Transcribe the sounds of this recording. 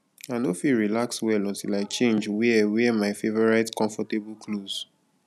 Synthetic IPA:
aɪnofiɹilakswɛlɔ̃ntilaɪt͡ʃẽnd͡ʒwɛwɛmaɪfevɔɹaɪtkɔ̃ɱfɔteblkloz̥

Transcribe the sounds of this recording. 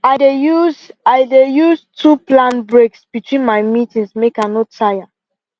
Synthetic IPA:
aɪdejuzaɪdejuztʰuplãnbɹeksb̥itwĩnmaɪmitĩŋsmekanɔtʰaja

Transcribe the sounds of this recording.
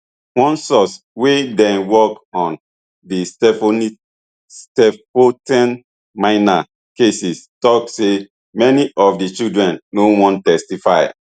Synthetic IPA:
wɔ̃nsɔs | wedɛ̃nwɔkɔ̃n | distf | stɛpotɛ̃n | mãɪna | kesistɔkse | mɛniʔɔfdit͡ʃidɹɛ̃nːowɔ̃ntɛstifaɪ

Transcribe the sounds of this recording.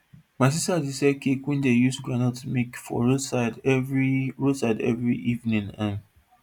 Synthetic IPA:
mas̬isadisɛkekwĩndejusɡɹanɔtmikfɔ̰ɹosaɪdviɹodsaɪdɛ̰vɹiʔivnĩŋãn

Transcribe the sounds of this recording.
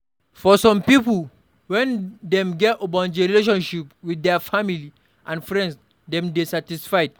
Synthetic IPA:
fɔsɔ̃mpipl | wɛ̃ndɛ̃mɡɛtobãniɾileʃ̬ɔ̃nʃipwiddɛfamili | ʔãnfɹɛ̃nds | dɛ̃mdesatisfajd̚

